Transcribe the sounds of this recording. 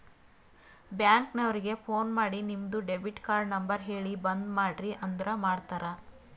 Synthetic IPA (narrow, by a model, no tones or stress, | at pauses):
bjaːŋknɐʋɾiɡe̞pʰo̞ːnmaːɽinimd̪uɖebʱiʈkaːɾɖnɐmbɐɾɦe̞ːɭibɐnd̪maːɖɾiʔɐnd̪ɐɾɐmaːɖt̪aːɾɐ